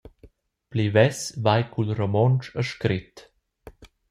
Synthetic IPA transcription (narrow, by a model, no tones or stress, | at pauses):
plivɛsvajkʰulɾɔmɔnt͡ʃəʃkɾit̪